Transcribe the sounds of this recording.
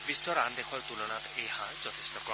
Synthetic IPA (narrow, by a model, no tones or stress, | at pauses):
bisːɔɾand̪ekʰɔɾt̪ulɔnat̪ejhãd͡ʒɔt̪ʰe̥st̪ɔkɔ